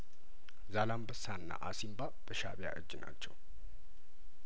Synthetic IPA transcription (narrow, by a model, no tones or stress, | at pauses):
zalambəsanːa̰ʔasimbab̥əʃaβja̰ʔɨ̰d͡ʒːna̰t͡ʃːɛw